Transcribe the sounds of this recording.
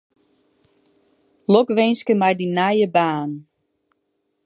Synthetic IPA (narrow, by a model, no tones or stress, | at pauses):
lɔkʋenskəmɛjdinajəbaːn